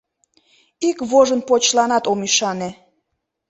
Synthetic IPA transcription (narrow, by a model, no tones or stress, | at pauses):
ikβoʒənpot͡ɕlɑnɑt̪omiʃɑne